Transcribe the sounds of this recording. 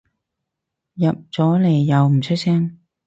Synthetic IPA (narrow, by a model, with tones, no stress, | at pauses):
jɐ˨p̚t͡sɔː˨˥le˨˩jːɐ˨˧wm̩˨˩t͡ʃʰɵ˥t̚sɛː˥ŋ